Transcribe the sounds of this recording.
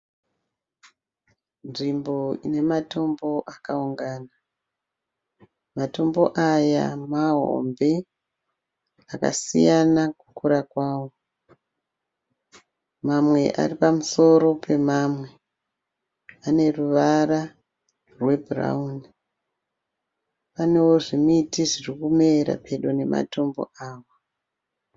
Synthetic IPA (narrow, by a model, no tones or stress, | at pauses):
nʐimbo̞ine̞mato̞mbo̞ʔakauŋɡaːna | mato̞mboʔaja̰maɦo̰mbe̞ | aka̰sḭjanaku̥kuɾakwaːwo̞ | mamwe̞̰ʔa̰ripamuso̞ɾo̞pe̞maːmwe̞ | ane̞ruʋara | rwe̞bra̰un | pane̞wo̞ʐimitiʐirikume̞ɾa̰pʰe̞ɗone̞ma̰to̞mbo̞̰aːwa